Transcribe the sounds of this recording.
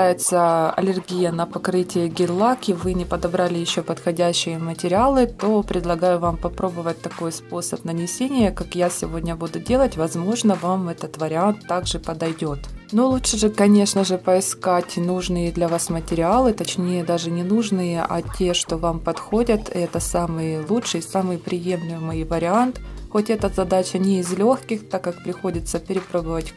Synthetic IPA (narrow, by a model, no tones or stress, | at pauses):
ajɪt̪səɐ̰lʲɪrɡʲijənɐpɐkɾɨtʲɪjəɡʲɪlˠakɪvɨnʲɪpəd̪ɐbɾalʲɪjɪɕːopət̪xɐdʲæɕːɪjəmətʲɪɾʲɪalˠɨt̪o̞pɾʲɪd̪lˠɐɡajʊvampɐpɾo̞bəvət̚ʲt̪ːɐko̞jspo̞səpnənʲɪsʲenʲɪjəkakjasʲɪvo̞dʲnʲəbud̪ʊdʲe̞lˠətʲvɐzmo̞ʐnəvamɛt̪ət̪vəɾʲɪant̪ːaɡʐɨpɐd̪ɐjdʲo̞t̪nulˠutʂɨʐɨkɐnʲe̞ʂnəʐɨpəɪskatʲnuʐnɨjəd̪lʲɐvasmətʲɪɾʲɪalˠɨt̪ɐt͡ɕnʲejəd̪aʐɨnʲɪnuʐnɨjəʔɐ̰tʲeʂt̪o̞vampɐt̪xo̞dʲət̪ɛt̪əsamɨjəlˠutʂɨjsamɨjpɾʲɪje̞mlʲɪmɨjvəɾʲɪant̪xo̞tʲɛt̪əzɐd̪at͡ɕənʲɪɪzlʲo̞xkʲɪxt̪akːakpɾʲɪxo̞dʲɪt̪səpʲɪɾʲɪpɾo̞bɨvətʲ